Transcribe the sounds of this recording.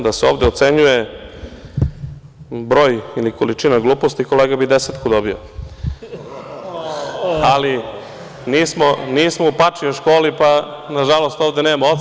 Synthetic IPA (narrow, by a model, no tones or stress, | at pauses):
d̪aseo̞̰ːʋd̪eot̪se̞ɲuje | bɾo̞ːjiliko̞lit͡ʃinaɡlˠuːpost̪iko̞leːɡabid̪eset̪kud̪obio̰ | ali | niːsmoniːsmoupat͡ʂioʃkoːlipanaʒalo̞st̪oʋd̪eneːmaot̪